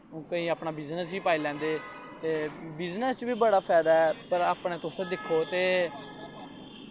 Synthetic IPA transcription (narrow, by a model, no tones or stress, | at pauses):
kəĩːəːpɳaːbɪznəsiːpaːiːlɛ̃ːnd̪eː | t̪eːbɪznəst͡ʃbiːbəɽaːpʰɛːd̪aːɛːpəɾaːpɳẽːt̪ʊsd̪ɪkʰːoːt̪eː